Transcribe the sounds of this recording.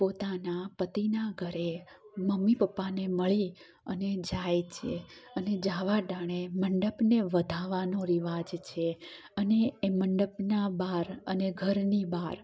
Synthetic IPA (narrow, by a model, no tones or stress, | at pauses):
pot̪anapət̪inaɡʱəɾe | məmːipəpːaneməɭi | əned͡ʒajt͡ʃʰeəned͡ʒaʋaɖaɽ̃eməɳɖəpneʋəd̪ʱaʋanoɾiʋad͡ʒt͡ʃʰe | əneːməɳɖəpnabaɾəneɡʱəɾnibaɾ